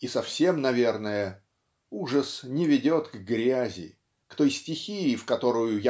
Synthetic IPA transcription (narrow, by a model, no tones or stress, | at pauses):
isɐfsʲe̞mnɐvʲe̞rnəjə | uʐəsnʲɪvʲɪdʲo̞t̪ɡɡɾʲæzʲɪ̰ | kt̪o̞jsʲtʲɪxʲijɪfkɐt̪o̞ɾʊjʊja